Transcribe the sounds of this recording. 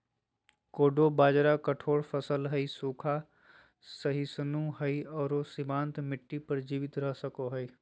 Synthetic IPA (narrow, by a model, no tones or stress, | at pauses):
koːɖobaːd͡ʒɾakəʈʰoːɾfʰəsəlɦəisuːkʰa | səɦisənũɦəiɔːɾosɪmãːnt̪mɪʈːipəɾd͡ʒiːʋɪt̪ɾəɦsəkoɦəi